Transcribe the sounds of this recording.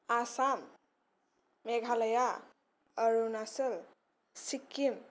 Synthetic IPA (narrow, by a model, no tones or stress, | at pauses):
asam | eɡʱaləja | əɾunasəl | sikːim